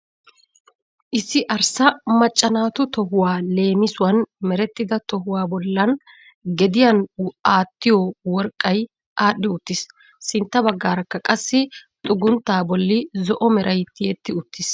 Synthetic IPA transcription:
ʔɪsːɪʔɐɾsɐmɐt͡ʃʼːɐnaːt̪ʊt̪ɔɦʊwaːle̞ːmɪsʊwɐnmɛɾɛt̪ːɪd̪ɐt̪ɔhʊwaːbɔlːɐn | ɡɛd̪ɪjɐnaːt̪ːɪjɔwɔɾkʼːɐj | ʔaːɗːɪʊt̪ːɪsː | ɪnt̪ːɐbɐɡːaːɾɐkːɐkʼɐsːɪt̪ʼʊɡʊnt̪ːaːbɔlːɪzɔʔɔmɛɾʔɐjt̪ːɪjɛt̪ːɪʊt̪ːɪs

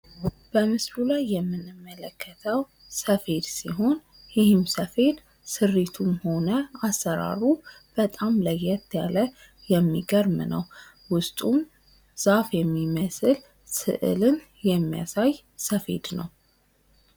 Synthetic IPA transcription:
b̥əmɨslulajːɛmːɨnɨmːələkʰːət̪ʰəw | səfe̞d̪siɦo̞n | jɪhɨmsəfe̞d̪ | sɨrːit̪ʰumho̞nəasːəɾa̰ɾu | b̥ət̪ʼamləjɛt̪ʰːjalə | jɛmːiɡəɾmnə̰w | wʊst̪ʼum | z̥afjɛmːiməsɨl | sɨ̰ʔɨ̰lɨn | jɛmːija̰saj | səfḛd̪nə̰w

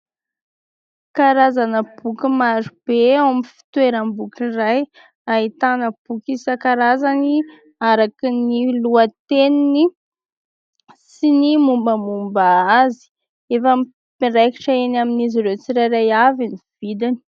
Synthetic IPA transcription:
kaɾazanəb̥ukʲimaɾub̥eawamifi̥t̪weɾəmbukiraj | ait̪anəb̥ukisakaɾazani | aɾakiniluat̪enini | sinimumbəmumbaazi̥ | efam | pireki̥ʈ͡ʂaenaminiziɾet͡siɾajɾajaviniv̥id̪ini̥

